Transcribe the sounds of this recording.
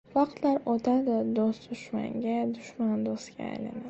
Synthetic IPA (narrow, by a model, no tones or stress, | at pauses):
vaq̚t̪laɾot̪ʰad̪ɪd̪osd̪ʊʃma̰ŋɡʲad̪ʊʃmand̪osɡʲa̰ːjla̰na